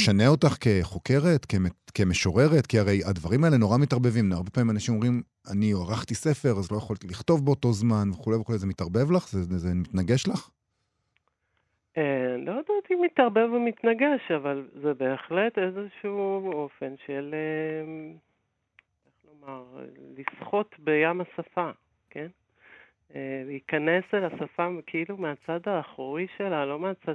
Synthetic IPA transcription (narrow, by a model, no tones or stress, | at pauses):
ʃaneo̞taχke̞χo̞ke̞ʁe̞tkemeke̞meʃo̞ʁe̞ʁetkiaʁejadvaʁimaele̞no̞ʁamitaʁbe̞vimnaʁbe̞paːmimanaʃimomʁim | anioaʁaχt̪ise̞feʁazlo̞jaχolt̪iliχto̞vbeoto̞zmanveχulejveχulezemitaʁbe̞vlaχzezemit̪naɡe̞ʃlaχ | elod̪aːt̪imit̪aʁbevmit̪naɡeʃavalzebe̞ːχle̞t̪e̞zeʃuuo̞fe̞nʃele | eχlo̞maʁlisχo̞tbejamasafa | ke̞n | eveikane̞selasafakʰeilumeat͡sad̪aːχoʁiʃe̞lalo̞meat͡sad